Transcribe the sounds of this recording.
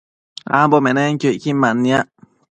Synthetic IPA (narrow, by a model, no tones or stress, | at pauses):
a̰mbomẽneŋkʲjoiʔkimanːĩaʔ